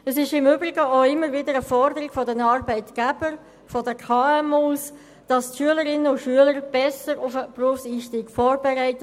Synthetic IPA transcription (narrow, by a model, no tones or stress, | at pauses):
əsɪʃɪmʏbɾɪɡəoɪmːəɾvɪdəɾəfɔɾdəɾɪɡ̥fɔdɛnɑɾbæɪtɡ̥æb̥əɾ | fɔdəkʰɑːɛmuːs | d̥ɑstʃyələɾɪnəʊtʃyələɾb̥ɛsəɾʊfəpruəfsiːʃtiːɡ̥fɔːɾbɛɾæɪtə